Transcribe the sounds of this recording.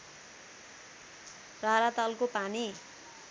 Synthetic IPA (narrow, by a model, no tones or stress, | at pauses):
raɾat̪ʌlkopani